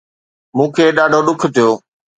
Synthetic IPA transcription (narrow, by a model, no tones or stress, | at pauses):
mũːkʰeːɗaːɖʱoɗʊkʰt̪ijoː